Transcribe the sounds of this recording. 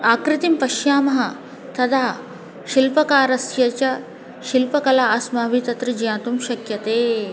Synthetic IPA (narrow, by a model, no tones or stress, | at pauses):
aːkɾit̪impɐʃjaːmɐɦɐ | t̪ɐd̪ʱaː | ʃilpɐkaːɾɐsjɐt͡ʃɐ | ʃilpɐkɐlaːsmaːʋit̪ɐt̪ɾɐd͡ʒijãːt̪umɕɐkjɐt̪eː